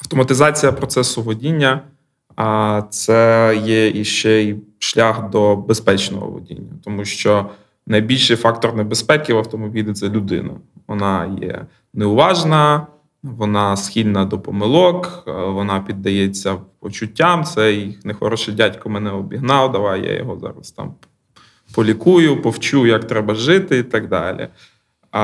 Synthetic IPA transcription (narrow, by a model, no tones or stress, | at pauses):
ɐwt̪ɔmɐt̪ɪzɑt͡sʲijɐpɾɔt̪sɛsʊʋɔdʲinʲːɐ | t̪sɛjɛiʃt͡ʃɛi | ʃlʲaxd̪ɔbespɛt͡ʃnɔ̰ɦɔ̰ʋɔ̰dʲḭnʲːɐt̪ɔmuʃt͡ʃɔ | nɐjbʲilʲʃɪjfɑk̚t̪ɔrnebespɛkʲiwɐwt̪ɔmɔbʲilʲɪt̪sɛlʲʊd̪ɪ̰nɐ̰ | ʋɔnɑjɛ̰ | neʊʋɑʒnɐ | ʋɔnɑsxʲilʲnɐd̪ɔpɔmɪlˠɔkʋɔnɑpʲid̪ːɐjɛt͡sʲːɐpɔt͡ʃʊtʲːamt̪sɛjixnexɔɾɔʃɛdʲatʲkɔmɛnɛɔbʲiɦnɑwd̪ɐʋajja̰jɔ̰ɦɔzɑ̰ɾɐst̪ɑ̰m | pɔlʲikujʊpɔwt͡ʃujakt̪ɾɛbɐʒɪt̪ɪit̪ɐɡd̪ɑ̰lʲḭ